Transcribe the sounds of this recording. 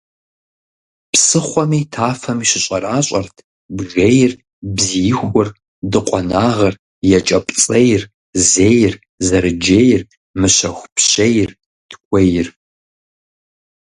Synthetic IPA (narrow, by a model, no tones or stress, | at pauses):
psɨχʷɔmiːtʰaːfɐmiʃɪɕʼɐraːɕʼɐrtʰ | bʒejɪr | bzijɪxʷʊr | dɨqʷʼɔnaːʁɐr | jɛt͡ʃʼɐpʼt͡sʼɐjɪr | zeːjɪr | zɐrɨd͡ʒejɪr | mɨɕɐxʷpɕejɪr | d̥ʰkʷʰʼɐjɪr